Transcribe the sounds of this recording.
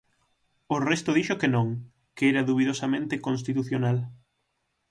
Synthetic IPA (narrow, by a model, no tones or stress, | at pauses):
ʊrɛst̪ʊðiʃokenõŋ | keɛɾɐðuβiðosɐmẽnt̪ɪkonst̪it̪uθjonal